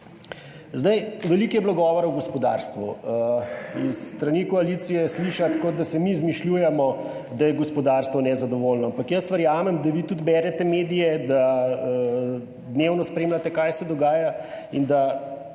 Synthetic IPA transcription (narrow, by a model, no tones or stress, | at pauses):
zd̪ɐjʋɛliːkjɛbloɡɔːʋɔɾawɡɔspɔd̪a̰ɾst̪ʋṵ | isːt̪ɾanikɔaliːt̪sijɛsliʃat̪kod̪asɛmizmiʃlʲjuːjɛmɔ | d̪ajɛɡɔspɔd̪aːɾst̪ʋɔnɛzad̪ɔʋoːlnɔampakjəsʋəɾjaːmɛmd̪aʋit̪ud̪bɛːɾɛt̪ɛmeːd̪ijɛd̪aə | d̪newnɔspɾeːmlat̪ɛkajsɛd̪ɔɡaːjaind̪a